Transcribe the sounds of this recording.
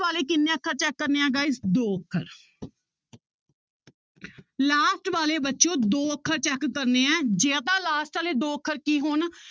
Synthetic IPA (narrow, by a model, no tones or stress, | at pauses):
ʋaːleːk̬ɪnːẽːəkʰːəɾt͡ʃɛːkːəɾneːãːɡaːɪsd̪oːəkʰːəɾ | laːsʈʋaːleːbətːʃõːd̪oːəkʰːəɾt͡ʃɛːkːəɾneːɛ̃ːd͡ʒeãt̪̬ãːlaːsʈaːleːd̪oːəkʰːəɾkiːɦoːn